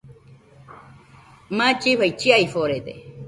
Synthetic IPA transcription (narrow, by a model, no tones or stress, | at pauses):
mãt͡ʃihait͡ʃiaifoɾet̪ḛ